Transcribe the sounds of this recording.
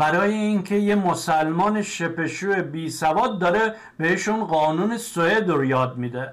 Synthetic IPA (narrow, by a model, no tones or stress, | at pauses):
bæɾɒːjeincʰe̞jemosælmɒːneʃe̞pe̞ʃuːebiːsævɒːd̪̚ːɒːɾe | beeʃunɢɒːnuːnesoed̪ɾjɒːd̪̚mid̪e